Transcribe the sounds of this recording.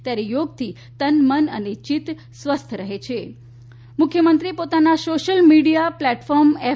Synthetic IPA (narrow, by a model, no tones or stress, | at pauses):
t̪jaɾijoɡ̚t̪ʰi | t̪ənmənənet͡ʃit̪ | sʋəst̪ʰəɾəɦet͡ʃʰe | mʊkʰjəmənt̪ɾiepot̪anasoʃəlmiɖijaplɛʈfɔɾme